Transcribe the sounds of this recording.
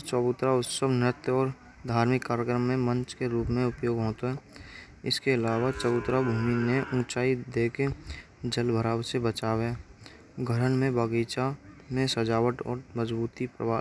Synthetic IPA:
t͡ʃɔbʊt̪ɾaʊt̪səbnɪɾət̪ɔːɾ | d̪ʱaːɾmɪkːaːɾjəkɾəmːẽmə̃nt͡ʃkeɾuːpmẽʊpjoːɡɦoːt̪oɦɛː | ɪ̰skeɪlaːʋat͡ʃəbʊt̪ɾabʱuːmineʔʊ̃ːt͡ʃaːid̪eːke | d͡ʒəlbʱəɾaːwsebət͡ʃaːwɦɛː | ɡʱəɾənmẽbaɡiːt͡ʃamẽsəd͡ʒaːʋəʈɔ̰ːɾməd͡ʒbuːt̪ipɾə̰ʋaː

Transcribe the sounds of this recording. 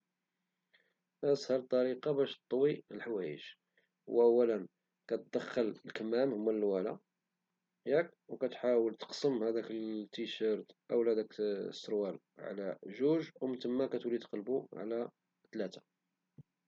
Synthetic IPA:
ʔæshɑlt̪ˤːɑɾiqɑbæʃt̪ˤːwiəlħawæjə̰ʒ | wʔəwːælən | kæt̪̚d̪æxːəllkəmæmhʊmːælwælæ | jækwkæt̪ħawəlt̪ə̥qsˤəmhæd̪ækət̪ːiʃəɾˤt̪ʔəwlæd̪æksːəɾwæl | ʕ̰læ̰ʒuʒwmət̪əmːækæt̪wliqɑlbuʕ̰læ | t̪læt̪ḁ

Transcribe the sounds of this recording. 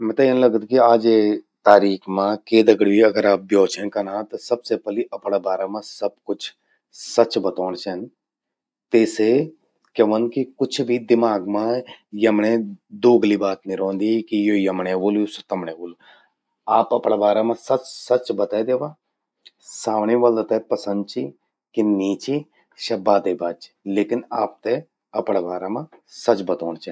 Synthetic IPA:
mɛ̃ːt̪ɐjenləɡəd̪kiaːd͡ʒet̪aːɾiːkʰmãkeːd̪əɡɽiɐɡəɾaːp̚bjɔːt͡ʃʰenkɐnãːt̪ɐsɐbsepəliʔɐpɽaːbaːɾamãsɐb̚kʊt͡ʃʰ | sɐt͡ʃbɐt̪ɔːñt͡ʃʰɛn | t̪eːse | kɐʋənkikʊt͡ʃʰbʱid̪ɪmaːɡmãjɐmɳẽd̪oːɡliːbaːt̪nɪɾõːnd̪iːkijoːjəmɳẽːʋoːljosət̪əmɳẽːʋoːl | aːpəpɽaːʋaːɾaːmãːsət͡ʃsət͡ʃbət̪aːed̪eːʋãː | saːʋɳĩːʋəld̪t̪eːpəsə̃nd̪̚t͡ʃiː | kɪniːt͡ʃiː | ʃɐbaːd̪eːbaːt͡ʃ | leːkɪnaːp̚t̪e | əpɽaːʋaːɾaːmãːsət͡ʃbət̪ɔːɳt͡ʃɛn

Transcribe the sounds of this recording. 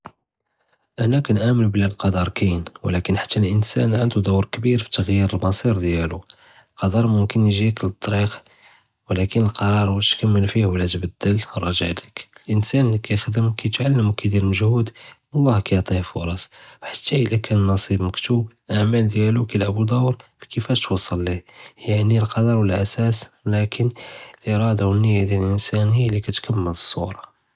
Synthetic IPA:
ʔænækænʕaməlblælqɑd̪ɑɾˤkæjənwlækənħḁt̪ːælʔənsænʕənd̪ud̪əwɾkbiɾfi̥t̪əɣjiɾəlmɑsˤiɾd̪jælu | lqɑd̪ɑɾˤmʊmkənjʒikəlt̪ˤːɾiq | wlækənəlqɑɾˤɑɾˤwæt̪kæmːəlfihwlːæt̪bəd̪ːəlɾˤɑʒəʕlikəlʔənsænəlikæjxd̪əmkæjt̪ʕalːəmwkæd̪iɾməʒhud̪ | lˤːɑhkæjʕt̪ˤihfʊɾˤɑswħḁt̪ːæʔəlækʰænnːɑsˤibməkt̪ublʔaʕmæld̪jælukælʕabud̪ɑwɾfi̥kəfæʃt̪wɑsˤːɑlːihjanilqɑd̪ɑɾˤwəlʔæsæslækʰənəlʔeɾˤɑd̪awənːəjːad̪jælʔənsænhijːlːikæt̪kʰəmːələsˤːuɾˤɑ

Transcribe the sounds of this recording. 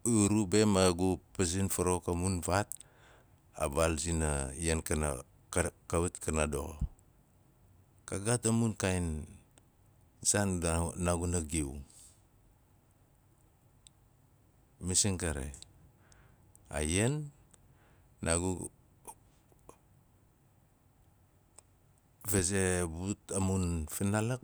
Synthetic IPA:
uɾubemaɡupazinfaɾokamunvat̚ | a̰balzinajenkana̰ | kaβutkanado̰ | kaɡatamunkajn | zannaɡunaɡiw | misiŋkaɾḛ | a̰jen | aɡu | vezebutamunfinalak

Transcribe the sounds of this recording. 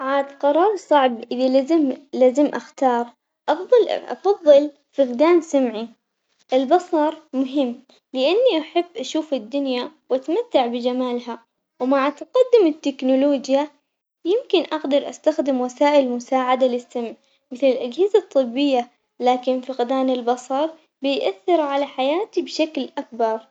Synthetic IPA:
ʕaːd̪qɑɾˤɑːɾˤsˤɑʕbʔɪðilzɪmlaːzɪmʔaxt̪ɑːɾˤ | ʔɑfðˤɨlʔɑ̰fɑðˤːɨl | fɪɣd̪aːnsamʕi | ʔɪlbɑsˤɑɾˤmʊɦɪmː | lɪʔanːiʔaħɪbːʔaʃuːfɪd̪ːʊnjawʔat̪mat̪ːaʕbɪd͡ʒamaːlɦa | wmaʕat̪aqɑd̪ːɪmɪt̪ːɪknʊloːd͡ʒja | jɪmkɪnʔaɡd̪ɑɾˤʔa̰st̪axd̪ɪmwasaːʔɪlmʊsaːʕad̪alɪsːamʕ | mɪθlɪlʔad͡ʒhɪzat̪ˤːɨbːɪjːa | laːkɪnfɪɣd̪aːnɪlbɑsˤɑɾˤ | bɪjʔaθːɪɾʕalaħajaːt̪ibʃaklʔak̚bɑɾˤ

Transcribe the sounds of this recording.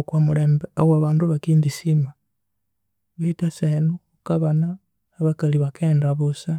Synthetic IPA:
kwamuleːmbeowaβaːnduβakiːndisima | βaitasenu | kaβanaː | βakaliβakeːndaβusa

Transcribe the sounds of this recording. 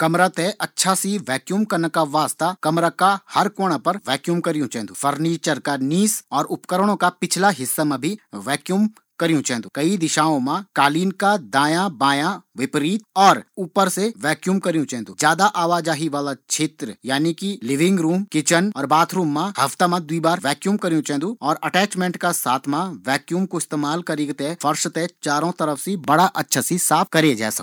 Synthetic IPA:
kɐmɾat̪eʔɐtːʃʰasiʋɛːkjuːmkɐɾnəkaʋaːst̪akɐmɾakahɐɾkoːɽ̃ãpɐɾʋɛːkjuːmkɐɾijũt͡ʃɛ̃ːnd̪ufɐɾniːt͡ʃəɾkaniːsɔːɾʊpkəɾɽ̃õkapɪt͡ʃʰlaɦɪsːamẽbʱiʋɛːkjuːm | kɐɾijũt͡ʃɛ̃ːnd̪uːkɐid̪ɪʃaːõmãkaːliːnkad̪aːjãbaːjãʋɪpɾiːt̪̚ɔːɾuːpəɾseʋɛːkjuːmkɐɾijũt͡ʃɛ̃ɦːnd̪ũd͡ʒjaːd̪aʔaːʋaːd͡ʒaːɦiʋaːlat͡ʃʰeːt̪ɾəjaːnikilɪʋɪ̃ŋɡɾuːmkɪt͡ʃənɔːɾbaːt̪ʰɾuːmːãhɐft̪amãd̪uibaːɾʋɛːkjuːmkɐɾijũt͡ʃɛ̃ːnd̪uɔːɾɐʈɛːt͡ʃmẽːɳʈkasaːt̪ʰmãʋɛːkjuːmkoɪst̪eːmaːlkɐɾiːɡt̪efʰɐɾʃt̪et͡ʃaːɾõt̪ɐɾəfʰsibɐɽaʔɐtːʃʰasisaːpʰkɐɾed͡ʒa̰ːsɐ̰k

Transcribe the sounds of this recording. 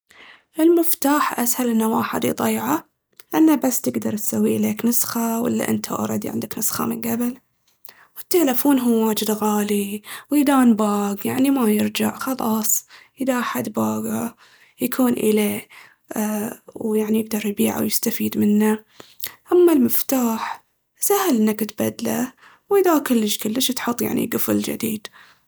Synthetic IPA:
ʔɪlmɪft̪aːħʔashalʔɪnːawaːħad̪ḭd̪ˤɑjːʕa | lʔanːabasːt̪ɪɡd̪ɑɾˤt̪sawːiʔɪleːknɨsxawɪ̰lːa̰ʔɪ̰nt̪ʰa̰ʔɑ̰ɾˤɑd̪iʕɪ̰nd̪ɪknɨsxa̰mɪnɡabɪl | wɪt̪ːelɪfoːnɦuːaːd͡ʒɪd̪ɣaːliwjd̪aːnbaːɡjaʕnimajɪɾd͡ʒaʕxɑlɑːsˤʔɪd̪aʔaħad̪baːɡa | jakʰuːnʔɪleː | wjaʕnijɪɡ̚d̪ɑɾˤjbiːʕa̰wjɪst̪afiːd̪mɪnːa | ʔamːalmɪft̪aːħ | sahalʔɪnːakɪt̪bad̪la | wʔɪðakʊlːɪʃkʊlːəʃt̪ħʊt̪ˤːja̰ʕnḭɡʊfld͡ʒɪ̰d̪ḭːd̪̥

